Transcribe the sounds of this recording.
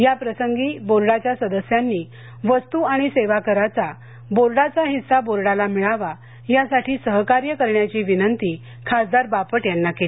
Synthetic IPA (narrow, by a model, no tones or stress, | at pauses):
japɾəsəŋɡiːboɾɽat͡ɕjasəd̪əsjanːiː | ʋəst̪uaɽ̃iseʋakəɾat͡sa | boɾɽat͡saɦisaboɾɽalamiɭaʋa | jasaʈʰiːsəɦkaɾjəkəɾɳjat͡ɕiːʋinənt̪iː | kʰasd̪aɾbapəʈjanːakeli